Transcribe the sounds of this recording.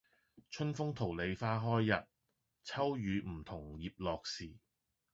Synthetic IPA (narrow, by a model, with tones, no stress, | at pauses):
t͡ʃʰɵ˥nfʊ˥ŋt̪ʰo˨˩wle˨˧jfaː˥ɦɔː˥jːɐ˨t̚ | t͡sʰɐ˥wjyː˨˧m̩˨˩t̪ʰʊ˨˩ŋjiː˨p̚lɔː˨k̚siː˨˩